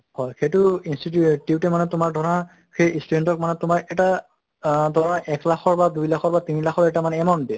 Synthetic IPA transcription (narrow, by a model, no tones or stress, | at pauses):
hɔjxejtʊinstittiutɛmanɛtʊmaɹdʱɔɹɔna | xejistudentɔk̚manɛtʊmaɹɛta | dʱɔɹɔnaʔɛklaxʰɔɹbadujlaxʰɔɹbatinilaxʰɔɹɛtamanɛːmɔndi